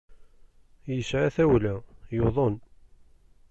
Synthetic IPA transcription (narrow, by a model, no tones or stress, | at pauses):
jəsʕaθæwlæjoðˤon